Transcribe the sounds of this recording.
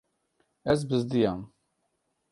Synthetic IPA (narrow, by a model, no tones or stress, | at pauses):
æz̬bəzd̪jæm